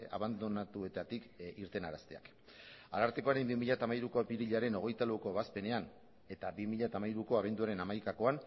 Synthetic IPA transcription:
a̰βand̪onat̪ue̞t̪at̪ikiɾt̪e̞naɾast̪ea̰k | a̰laɾt̪e̞ko̞aɾe̞mbimiʎat̪amaiɾuko̞piɾiʎaɾe̞no̞ɣe̞jt̪alawko̞βaspe̞nean | e̞t̪abimiʎat̪amaiɾuko̞aβ̞e̞nd̪uaɾe̞namajkako̞an

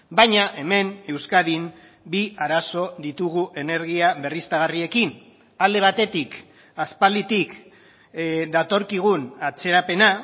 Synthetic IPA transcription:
bajɲaʔe̞me̞ne̞wskaðim | biaɾaso̞ðit̪uɣuʔe̞ne̞ɾɣiaβe̞rist̪aɣ̞arie̞kin | ald̪e̞β̞at̪e̞t̪ik | aspald̪it̪ik | d̪at̪o̞ɾkiɣ̞unat͡se̞ɾape̞na

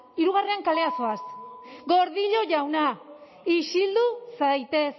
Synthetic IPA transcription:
iɾuɣ̞areaŋkale̞aso̞asɡo̞ɾðiʎo̞ʝawna | iʃild̪usajt̪e̞s

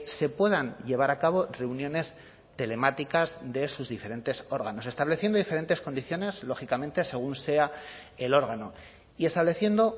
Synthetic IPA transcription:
se̞pwe̞ðanʎe̞β̞aɾakaβo̞re̞unjõ̞ne̞s | t̪e̞le̞mat̪ikazðe̞suzðife̞ɾẽ̞nt̪e̞so̞ɾɣano̞se̞st̪aβle̞θje̞nd̪oðife̞ɾe̞nt̪e̞sko̞nd̪iθjo̞ne̞zlo̞xikamẽ̞nt̪e̞se̞ɣ̞unse̞ae̞lo̞ɾɣ̞ano̞ | ie̞st̪aβle̞θje̞nd̪o

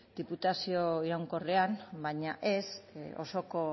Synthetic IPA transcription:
d̪̥iput̪asio̞iɾawŋko̞re̞ambajɲaʔe̞so̞̰so̞ko̞

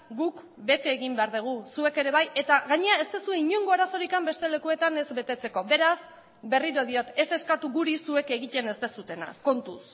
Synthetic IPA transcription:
ɡuk | be̞t̪eːɣimbe̞aɾðuɣ̞usue̞ke̞ɾe̞β̞aje̞t̪aɣaɲe̞ae̞st̪e̞sue̞iɲoŋɡo̞aɾaso̞ɾikambe̞st̪e̞le̞kue̞t̪ane̞zbe̞t̪e̞t͡se̞ko̞be̞ɾas | be̞riɾoðio̞t̪e̞se̞skat̪uɣuɾisue̞ke̞ɣ̞it̪e̞ne̞st̪e̞sut̪e̞na̰ko̞nt̪us

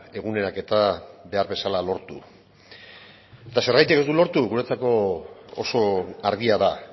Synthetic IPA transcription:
e̞ɣune̞ɾake̞t̪abe̞aɾβe̞salalo̞ɾt̪ṵ | et̪ase̞ɾɣajt̪ike̞zd̪ulo̞ɾt̪uɣuɾet͡sako̞o̰so̞aɾðiaða

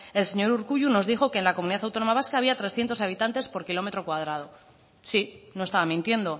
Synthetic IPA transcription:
else̞ɲoɾuɾkuʝuno̞zðixo̞ke̞ːnlakomuniðaθawt̪o̞no̞maβ̞askaːβ̞iat̪ɾe̞sθje̞nt̪osaβ̞it̪ant̪e̞spo̞ɾkilo̞me̞t̪ɾo̞kwað̞ɾað̞o̞ | sinoest̪aβamĩnt̪je̞nd̪o̞

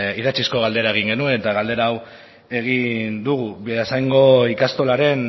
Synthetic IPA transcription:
iðat͡ʃisko̞ɣ̞ald̪e̞ɾae̞ɣ̞iŋɡe̞nuenet̪aɣald̪e̞ɾaːw | e̞ɣ̞ind̪uɣ̞uβiasajŋɡo̞ikast̪o̞laɾe̞n

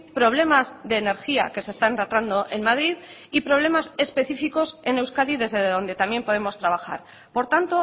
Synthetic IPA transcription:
pɾo̞β̞le̞mazðe̞ːne̞ɾxia̰ke̞se̞st̪anrat̪ɾand̪o̞ʔenmað̞ɾið | ipɾo̞β̞le̞mase̞spe̞θifiko̞se̞ne̞wskaðiðe̞zðe̞ððo̞nd̪e̞t̪amje̞mpo̞ð̞e̞mo̞st̪ɾaβ̞axa̰ɾ | po̞ɾt̪ant̪o

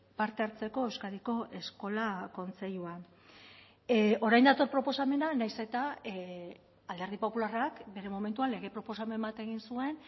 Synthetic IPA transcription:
paɾt̪e̞aɾt͡se̞ko̞e̞wskaðiko̞ʔe̞sko̞lako̞nt͡se̞ʎua | o̞ɾajnd̪at̪o̞ɾpɾo̞po̞same̞nanajse̞t̪a | ald̪e̞ɾð̞ipo̞pularakbe̞ɾe̞mo̞me̞nt̪uanle̞ɣ̞e̞pɾo̞po̞s̬ame̞mbat̪e̞ɣ̞insue̞n

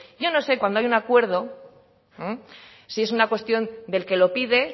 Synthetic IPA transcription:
ɟ͡ʝo̞no̞sekwand̪oajunakwe̞ɾð̞o̞ | sie̞s̬unakwe̞st̪jo̞nd̪e̞lke̞lo̞piðe̞

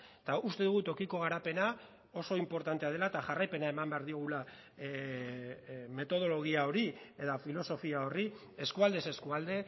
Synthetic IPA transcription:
t̪aust̪e̞ðuɣut̪o̞kiko̞ɣ̞aɾape̞na | o̞so̞impo̞ɾt̪ant̪e̞að̞e̞lat̪aʝarajpe̞nae̞mambeaɾðio̞ɣ̞ula | me̞t̪o̞ð̞o̞lo̞ɣ̞iao̞ɾie̞ðafilo̞so̞fiao̞ri | e̞skuald̪ese̞skuald̪e̞

